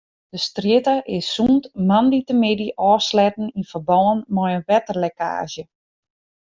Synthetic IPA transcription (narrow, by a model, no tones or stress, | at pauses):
d̥əstrjɪtaʔɪsːuntmanditəmɪdiʔɔːslɛtn̩infərbɔːənmɔjənʋɛtərleka̰ːʒjə